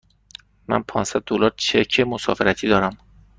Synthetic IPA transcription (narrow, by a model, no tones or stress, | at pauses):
mæ̰npʰɒːnsæd̪̚ːolɒːɾt͡ʃʰecʰemosɒ̰ːfeɾæt̪ʰiːd̪ɒːɾæm